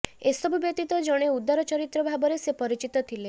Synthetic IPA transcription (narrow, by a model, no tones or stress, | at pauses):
esɔbʱubjɔk̚t̪it̪ɔd͡ʒɔɽ̃eud̪ːaɾɔt͡ʃɔɾit̪ɾɔbʱabɔɾesepɔɾit͡ʃit̪ɔt̪ʰile